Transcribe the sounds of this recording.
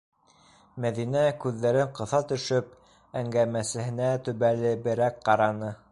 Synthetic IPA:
mæðinækʉðːæɾɘɴqɤ̆θɑt̪ɵ̆ʃɵp̚ | æŋɡæmæsɘ̆hɘ̆næt̪ɵ̆βælɘbɘ̆ɾækqɑɾɑnɤ

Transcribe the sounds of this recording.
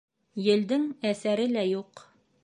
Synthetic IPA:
jɘ̆ld̪ɘŋæsæɾɘlæjuq

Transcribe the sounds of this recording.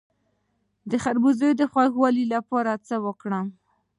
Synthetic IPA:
d̪əxaɾbuzəjod̪əxwaxwɑlilapɑɾat͡səwəkɽam

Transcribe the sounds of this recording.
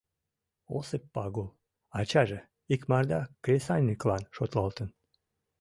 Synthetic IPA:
o̰sək̚pɑɣol | ɑt͡ɕɑʒe | ikmɑrd̪ɑkɾʲesɑnʲːiklɑnʃot̪lɑlt̪ən

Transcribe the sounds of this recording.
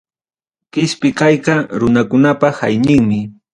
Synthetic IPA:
kɪspɪkajqɑɾʊnakʊnapaha̰jnɪŋmɪ

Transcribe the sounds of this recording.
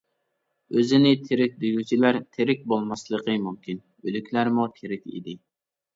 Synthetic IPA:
øzɪnɪt̪ʰeɾɪk̚ʲd̪yjyt͡ʃʰilæɾt̪ʰeɾɪk̚ʲbolˠmɑslˠəqəmumkʲin | ølykʲlæɾmut̪ʰeɾɪkʲḭd̪ɪ

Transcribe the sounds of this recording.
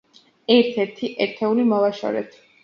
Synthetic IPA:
ɛɾt̪ʰɛɾt̪ʰiʔɛɾt̪ʰɛulimɔvaʃɔ̰ɾɛ̰t̪ʰ

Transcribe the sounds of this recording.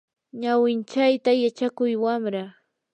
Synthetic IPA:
ɲawɪnt͡ʃajt̪ajat͡ʃakʊjwamɾa

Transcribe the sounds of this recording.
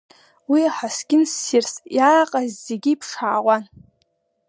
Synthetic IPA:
wiaħasɡʲʼɪnsirsjaːqʼazzeɡʲiːpʰʂaːʁʷan

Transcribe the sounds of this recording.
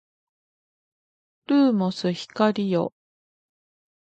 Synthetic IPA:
ɾɯːmosɨçi̥kaɾʲijo̞̰

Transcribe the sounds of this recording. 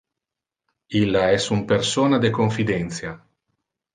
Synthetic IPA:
ilːaɛsumpersoːnad̪ekoɱfid̪ɛnt̪sja

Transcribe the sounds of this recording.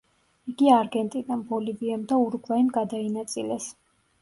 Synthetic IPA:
iɡiaɾɡɛnt̪ʼid̪anbɔliviɛmd̪auɾɡvaimɡad̪ainat̪sʼilɛs

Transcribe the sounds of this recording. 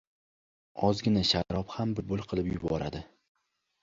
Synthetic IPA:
ɒzɡʲɪnaʃaɾɒphambɪbʊlˠqʰɨlˠɪpjʊbɒɾa̰d̪ɪ

